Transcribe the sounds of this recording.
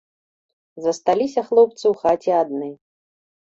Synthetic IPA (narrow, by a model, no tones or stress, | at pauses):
zɐst̪alʲisʲɐxlˠɔp̚t̪sɨwxat͡sʲiad̪̚nɨ